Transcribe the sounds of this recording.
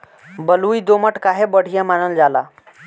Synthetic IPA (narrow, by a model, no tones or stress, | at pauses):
bəluid̪oməʈkaɦebəɽ̤ijamanəld͡zala